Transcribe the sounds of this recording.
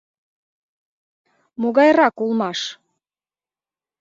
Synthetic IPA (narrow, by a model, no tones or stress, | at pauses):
moɣɑjrɑkulˠmɑʃ